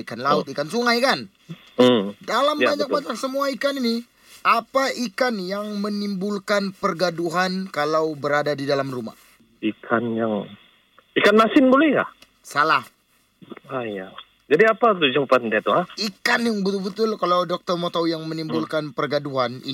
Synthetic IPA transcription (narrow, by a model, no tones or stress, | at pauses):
ikanlaʊt̪ikansuŋajkan | m̩dalambaɲak̚baɲaksəmuaikanini | ʔapaʔikanjaŋmənimbulkanpərɡaduɦankalawbəɾadadidalamruma̰h | ikʰanjaŋ | ikanmasɪnbolɛhka̰ | salah | aja | d͡ʒadiapat̪ud͡ʒampat̪dat̪uaikanjaŋbət̪ʊlbət̪ʊlkalawdɔk̚t̪ɔrmot̪awjaŋmənimbulkanpərɡaduɦanḭ